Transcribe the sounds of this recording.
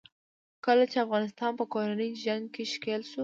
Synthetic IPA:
kəlat͡ʃeafɣɑnɪs̬t̪ɑnpəkoɾanəjʒaŋɡkeʃkelʃu

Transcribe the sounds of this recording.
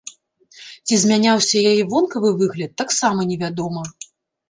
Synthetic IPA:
t͡sʲizʲmʲanʲawsʲɐjajɛvɔnkɐvɨvɨɣlʲɐt̪ːaksamɐnʲɛvʲad̪ɔmɐ

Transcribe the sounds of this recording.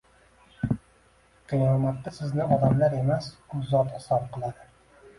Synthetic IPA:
qʰɨjɒmat̪ːasɪznɪɒd̪amlaɾe̞masʊzːɒt̪hɪsɒb̚qɨlˠad̪ɪ

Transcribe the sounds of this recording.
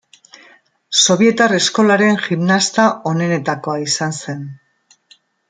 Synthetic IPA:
so̞βje̞t̪are̞sko̞laɾe̞nʝimnast̪ao̞ne̞ne̞t̪ako̞aisanse̞n

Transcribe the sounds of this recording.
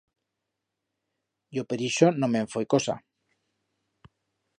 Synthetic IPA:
jopeɾiʃonomeɱfojkosa̰

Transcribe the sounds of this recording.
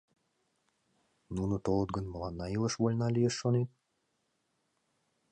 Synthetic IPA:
nunot̪olˠət̪̚ɡə̆nməlɑnːɑiləʃβolʲnɑlijeʃːonet̪̚

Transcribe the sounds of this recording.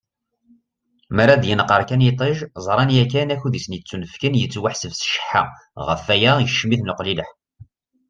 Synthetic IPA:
mæɾæd̪jənəqːəɾˤkænjit̪ˤeʒzˤɾˤɑnjækːænæçuðisənjət͡sːunəfkənjət͡sːwaħsəvsə̥ʃə̥ħa̰ | ʁə̰fːæjæjəʃːmiθnəqliləħ

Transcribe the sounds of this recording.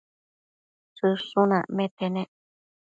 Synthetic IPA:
sɨʂũnãmẽt̪enẽ

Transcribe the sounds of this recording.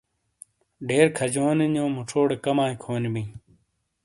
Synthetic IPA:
ɖeːɾkʰəd͡ʑoːninõːmʊʈ͡ʂʰoːɽekəmaːĩkʰoːnmĩː

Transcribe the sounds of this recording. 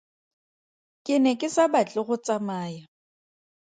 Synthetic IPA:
kʼɪnɛkʼɪsabat͡ɬʼɪɣʊt͡sʼamaːja

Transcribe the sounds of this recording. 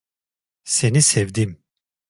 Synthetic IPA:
senisɛvd̪im

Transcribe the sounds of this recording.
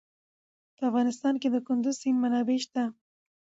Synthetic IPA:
pəafɣɑnɪst̪ɑnked̪əkʊnd̪ʊzsinmanɑbeʃt̪a

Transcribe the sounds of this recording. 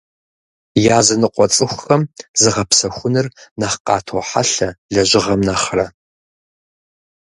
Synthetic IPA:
jaːzɐnɨqʷɔt͡sʼɨxʷʊxɐmzɨʁɐpsɐxʷʊnɨrnɐχqɑ̰ːtʰowħa̰ɬɐɮɐʑɪʁɐmnɐχrɐ

